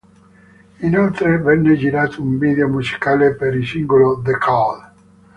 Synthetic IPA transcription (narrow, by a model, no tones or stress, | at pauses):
inolt̪ɾevɛnːed͡ʒiɾaːt̪ʰouɱviːd̪eomusi̥kaːlepeɾisiŋɡolod̪ekʰɔl